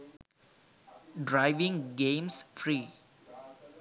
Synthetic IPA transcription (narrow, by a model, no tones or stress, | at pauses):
ɖɾaɪʋɪ̃ŋɡẽːmsfɾiː